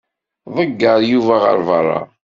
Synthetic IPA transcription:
ðˤəɡːəɾˤjuvæʁə̰ɾˤvɑrˤːɑ̰

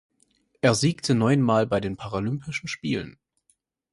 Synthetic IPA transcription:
ʔeːɐziːktʰənɔʏənmaːlbaɪdeːnpʰaʁalʏmpʰɪʃn̩ʃpiːlə̰n

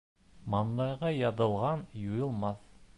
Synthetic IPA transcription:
mɑnːˠɑjʁɑjɑðɤ̆lˠʁɑnjujɤ̆lˠmɑθ

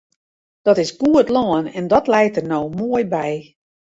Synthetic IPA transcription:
d̥ɔtɪsɡ̥uətlɔənɛndɔtlɛjtərnowmoəjbɛj

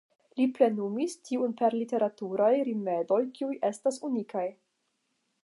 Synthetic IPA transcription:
liple̞numistʰiunpe̞ɾlite̞ɾatuɾajɾime̞do̞jkiujʔe̞stasunikʰaj

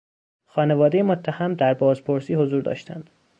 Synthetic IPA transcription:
xɒːnevɒːd̪ejemot̪ʰːæhæmd̪æɾbɒːzpʰoɾsiːhozuːɾd̪ɒ̰ːʃt̪ʰæ̰nd̪̥

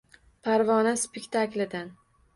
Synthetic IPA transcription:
pʰaɾvɒnaspɪkʲt̪ʰaklɪd̪an

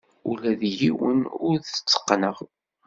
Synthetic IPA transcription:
ulæðjiwə̰nʊɾðə̥t͡sːə̥qːnəʁ

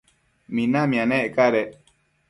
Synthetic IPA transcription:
mĩnãmĩãnẽekaɾe

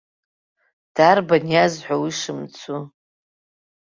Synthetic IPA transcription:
d̥arbanjazħʷawiʂɨmt͡sʰu

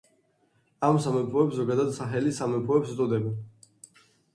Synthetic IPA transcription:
amsamɛpʰɔɛpszɔɡad̪ad̪saχɛlisamɛpʰɔɛpst̪sʼɔd̪ɛbɛn

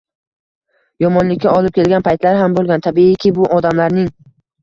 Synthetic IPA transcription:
jɒmɒnlɪkʲʰːaɒlˠɪp̚kʲe̞lɡʲanpʰajt̪laɾɦambolˠɡʲant̪ʰabiɪkʲʰɪbʊʔɒd̪amlaɾnɪŋ

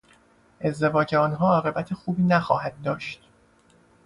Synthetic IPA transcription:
ʔe̞zd̪e̞vɒːd͡ʒeɒːnɦɒːɒːɣe̞bæt̪ʰexuːbiːnæxɒːɦæd̪̚ːɒːʃt̪

